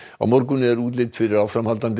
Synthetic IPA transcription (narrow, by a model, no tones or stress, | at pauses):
a̰mɔɾkʏnɪɛɾuːt̪̬lɪt̪fɪɾɪɾawfɾamhalt̪ant̪